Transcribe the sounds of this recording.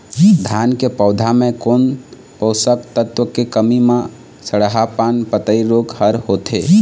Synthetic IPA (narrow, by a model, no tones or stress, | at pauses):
d̪ʱankepəʊd̪ʱamekon | pəʊsəkt̪ət̪wəkekəmime | səɽɦapanpət̪əiɾoɡhəɾhot̪e